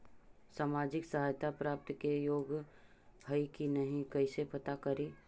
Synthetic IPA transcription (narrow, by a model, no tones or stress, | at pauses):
saːmaːd͡ʒɪksəɦaːjt̪apɾaːp̚t̪kejoːɡ | bʱəikinɐɦĩkɐsepɐt̪akɐɾiː